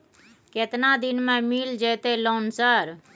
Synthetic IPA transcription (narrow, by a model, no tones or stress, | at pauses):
ket̪nad̪ɪnmẽmiːld͡ʒeːt̪elɔːnsəɾ